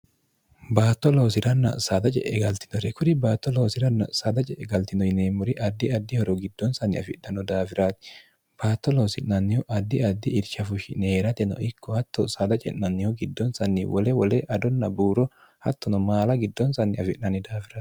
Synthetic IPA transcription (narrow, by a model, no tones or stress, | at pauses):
baːt̪ːɔlo̞ːsɪɾɐnːɐ̰sad̪ɐt͡ʃʼɛ̰ʔɛɡɐlt̪ɪ̥nɔɾɛkʊɾɪbaːt̪ːɔloːsɪɾɐnːɐ̰saːd̪ɐt͡ʃʼɛʔɛɡɐlt̪ɪnɔjɪneːmʊɾɪʔɐd̪ːɪɐd̪ːɪhɔɾɔɡɪd̪̥ːɔnsɐnɪɐfɪʔːɐnɔd̪aːfɪɾaːt̪ɪ̥ | b̥aːt̪ːɔloːsɪnnɐnːɪhʊʔɐd̪ːɪɐd̪ːɪɪɾʃɐfʊʃɪneːɾɐt̪ɛnɔ̰ʔɪkːɔhɐt̪ːɔsaːd̪ɐt͡ʃʼɛ̰ʔːɐnːɪhʊɡɪd̪ːɔnsɐnːɪwɔlɛwɔleʔɐd̪ɔnːɐbuːɾɔ | hɐt̪ːɔnɔmaːlɐɡɪd̪ːɔnsɐnːɪɐfɪʔnɐnɪd̪aːfɪɾaːt̪